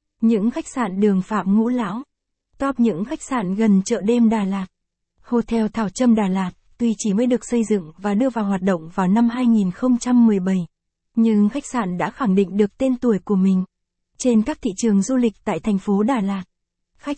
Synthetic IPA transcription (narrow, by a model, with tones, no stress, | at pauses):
ɲɨ̰˧˥ŋxa˦˥jk̟̚saː˧˨nɗɨ˨˩əŋfaː˧˩p̚ŋṵ˧˥la̰ː˧˥w | t̪ɔ˦˥p̚ɲɨ̰˧˥ŋxa˦˥jk̟̚sa̰ː˧˨nɣə˨˩nt͡ɕə̰ː˧˨ɗe˧mɗaː˨˩laː˨˩t̚ | ho˧t̪ʰɛ˧wt̪ʰaː˧˩wt͡ɕə˧mɗaː˨˩laː˨˩t̚t̪wi˨˩t͡ɕi˧˩mə˨˦jɗɨ˨˩ək̚sə˧jzɨ̰˧˨ŋvaː˨˩ɗɨ˧əvaː˨˩wɦwaː˨˩t̚ɗo̰˧˨wŋ͡mvaː˨˩wna˧mɦaː˧jŋi˨˩nxə˧wŋ͡mt͡ɕa˧mːɨ˨˩əjɓə˧˩j | ɲɨ̰˧˥ŋxa˦˥jk̟̚saː˧˩nɗa̰ː˧˥xa˧˩ŋɗḭ˧˨ŋ̟ɗɨ˨˩ək̚t̪e˧nt̪u˧˩əjku˧˩əmï˨˩ŋ̟ | t͡ɕe˧nkaː˦˥k̚t̪ʰḭ˧˨t͡ɕɨ˨˩əŋzu˧lï˨˩k̟̚t̪a̰ː˧˨jt̪ʰa˨˩jŋ̟fo˨˦ɗaː˨˩laː˨˩t̚ | xa˦˥k̚